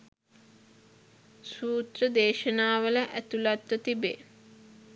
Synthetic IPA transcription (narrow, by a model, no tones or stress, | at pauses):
suːt̪rəd̪eːʃənaːʋələʔæt̪ulat̪ʋət̪ibeː